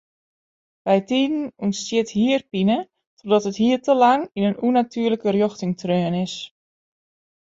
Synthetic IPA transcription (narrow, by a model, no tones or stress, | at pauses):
ʋɛjtiːdn̩unstjɪthiərpinə | tʰɔdɔtəthiərtəlaŋinənunatʰyːərləkərjoxtɪŋtʰrøːnɪs